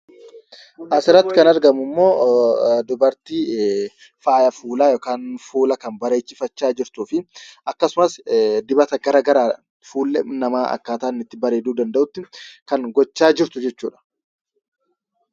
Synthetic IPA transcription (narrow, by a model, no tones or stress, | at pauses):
ʔɐsɪɾːɐt̪ːɪ̥kɐnɐɾɡɐmʊmːo̞ːd̪ʊbɐɾt̪iː | faːjɐfuːlaːjɔːkaːnfuːlɐkɐmbɐɾeːt͡ʃːɪfɐt͡ʃːaːd͡ʒɪɾt̪uːfɪʔɐkːɐsʊmɐsd̪ɪbɐt̪ɐɡɐɾaːɡɐɾaː | fuːlːɛnɐmaːʔɐ̰kːaːt̪aːnɪt̪ːɪbɐɾe̞ːd̪uːd̪ɐnd̪ɐʔʊt̪ːɪkɐŋɡɔt͡ʃːaːd͡ʒɪɾt̪ʊd͡ʒɛt͡ʃːuːᶑɐ̥